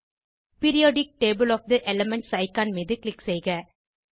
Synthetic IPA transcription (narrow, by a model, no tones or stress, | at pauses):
pɪɾɪjoːɖɪk̚ʈeːbɪlɔːfd̪ɐʔɛlɐmɛɳʈsɐɪkaːnmiːðɯklɪksɛɪɣɐ